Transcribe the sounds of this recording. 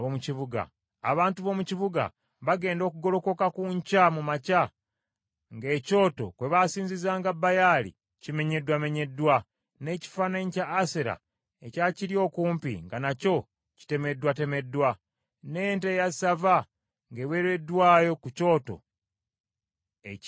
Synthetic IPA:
omuciβuɡa̰ː | βaːntuβo̞muciβuɡa̰ | βaɡe̞ːndo̞ːkuɡo̞lo̞ko̞kakuɲcamumaca | ŋɡe̞ːco̞ːto̞̰kwe̞βasiːɲzizaːŋɡabːajaːlḭ | cime̞ɲe̞dwame̞ɲe̞dwa | ne̞ːci̥fanaɲcaːseɾa̰ | ecaciɾjo̞ːkuːmpḭŋɡanaco̞ | ci̥te̞me̞dwate̞me̞dːwa | neːnte̞jasava | ŋɡeweɾe̞dːwaːjo̞kuco̞ːto̞̰ | e

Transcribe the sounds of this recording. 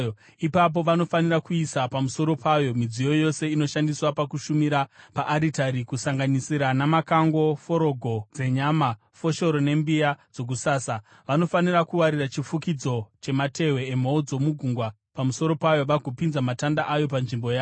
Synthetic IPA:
ipap̬o̞ʋano̞fanirakuisapamuso̞ɾo̞pʰajo̞mid͡zijo̞jo̞se̞ino̞ʃandiswapakuʃumiɾapaʔːɾitaɾikusaŋɡanisiɾanamakaŋɡo̞fo̞ɾo̞ɡʱo̞d͡ze̞ɲama | fo̞ʃo̞ɾo̞ne̞mbijad͡zo̞k̬usaːsa | ʋano̞fanirakuwaɾirat͡ʃifukid͡zo̞t͡ʃe̞mate̞we̞ːmaud͡zo̞muɡʱuŋɡwa | pamuso̞ɾo̞pajo̞ʋaɡʱopinzamatandaʔajo̞panʐimbo̞jaː

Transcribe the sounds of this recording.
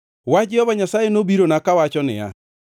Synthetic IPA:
wad͡ʒɪɔβaɲasajenobiɾonakawat͡ʃɔnɪ̰a̰

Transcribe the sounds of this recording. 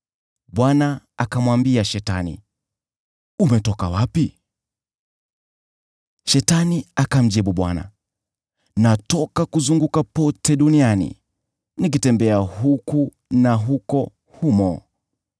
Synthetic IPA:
ɓwanaakamwambiaʃɛta̰nḭ | umɛtɔkawapi | ʃɛtaniakam̩d͡ʒiɓuɓwa̰na̰ | natɔkakuzuŋɡukapɔtɛɗunianḭ | nik̬itɛmbɛahuku | naɦukɔ | humɔ

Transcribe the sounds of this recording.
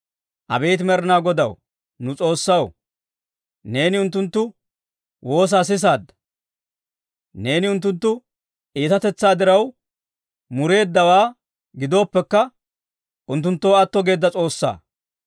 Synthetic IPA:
ʔɐ̰bejt̪mɛɾɪnaːɡɔd̪ɐw | nʊt͡sʼo̞ːsːɐw | ne̞ːnɪʊnt̪ːʊnt̪ːʊ | wʔo̞ːs̬aːs̬ɪs̬aːd̪ːɐ̥ | ne̞ːnɪʊnt̪ːʊnt̪ːʊ | ʔiːt̪ɐt̪ɛt͡sːaːd̪ɪɾɐw | mʊɾe̞ːd̪ːɐwaː | ɡɪd̪o̞ːpːɛkːɐ | ʔʊnt̪̬ːʊnt̪ːoːɐt̪ːɔɡe̞ːd̪ːɐt͡sʼo̞ːsːa̰ː

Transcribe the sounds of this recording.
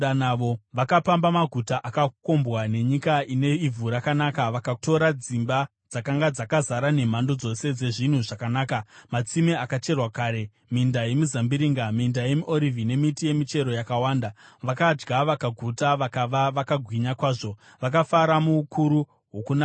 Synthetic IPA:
anaʋo̞ʋakapambamaɡʱutaʔakako̞mbwane̞ɲikaine̞ivʱuɾakanakaʋakato̞ɾad͡zimba | d͡zakaŋɡad͡zakazaɾane̞m̤ando̞d͡zo̞se̞d͡ze̞ʐin̤uʐakanaːkamat͡simeakat͡ʃe̞rwakaːɾe̞ | mindaje̞mizambiɾiːŋɡamindaje̞miʔo̞ɾivʱine̞mitije̞mit͡ʃe̞ɾo̞jakawaːndaʋakad͡ʒɡaʋakaɡʱutaʋakaʋaʋakaɡʱwiɲakwaːʐo̞ | ʋakafaɾamukuɾu | ɦwokun

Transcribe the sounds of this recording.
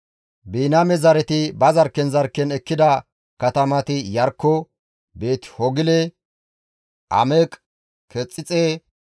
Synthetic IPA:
biːnɐmɛzɐɾɛt̪ɪbɐzɐɾkːɛnzɐɾkːɛnɛkːɪd̪ɐ | kɐt̪ɐmɐt̪ɪjɐɾkːɔ | be̞ːt̪hɔɡɪlɛ | ʔɐ̰mekʼ | kɛt͡sʼːɪt͡sʼeː

